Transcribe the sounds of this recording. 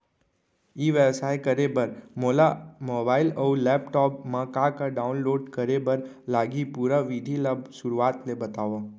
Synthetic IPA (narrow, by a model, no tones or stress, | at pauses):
iːʋebsaːjkəɾebəɾmoːlamoːbaːɪləulɛːpʈɔːpmãkakaɖaːʊnloːɖkəɾebəɾ | laːɡipuːɾaʋid̪ʱilabsʊɾuaːt̪lebɐt̪aːʋã